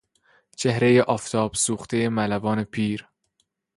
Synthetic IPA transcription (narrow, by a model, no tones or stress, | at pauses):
t͡ʃʰe̞hɾe̞jeʔɒːft̪ʰɒːb̥suːxt̪ʰejemælævɒːne̞pʰiːɾ